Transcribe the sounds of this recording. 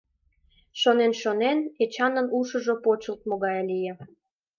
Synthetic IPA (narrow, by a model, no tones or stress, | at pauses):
ʃonenʃonenet͡ɕɑnənuʃə̆ʒŏpot͡ɕə̆lt̪̚moɣɑjlijĕ